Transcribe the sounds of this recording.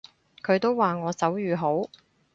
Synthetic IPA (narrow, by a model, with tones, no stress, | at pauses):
kʰɵ˨˧ɥt̪o˥wwaː˨ŋɔː˨˧sɐ˨˥wjyː˨ɦo˨˥w